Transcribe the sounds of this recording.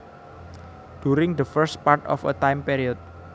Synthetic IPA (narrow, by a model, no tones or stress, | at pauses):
d̥uɾɪŋd̪əfəɾst̪̚part̪ɔ̰fə̰t̪ajmpiɾiɔt̪̚